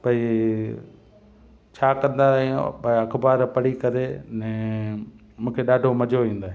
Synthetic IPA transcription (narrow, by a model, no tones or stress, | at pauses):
pɐi | t͡ɕʰaːkɐ̃nd̪aɦipɐɐkʰbaːɾpɐɽikɐɾenɛ̃ː | mũːkʰeɗaːɖʱomɐd͡ʑʱoʋĩːn̆d̪aːɦẽ